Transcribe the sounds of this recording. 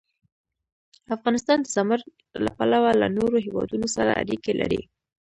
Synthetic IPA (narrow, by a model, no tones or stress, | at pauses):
afɣɑnɪst̪ɑnd̪əzaməɾ | lapalawalanoɾoɦewɑd̪unosaɾa̰aɾikelʔa̰ɾḭ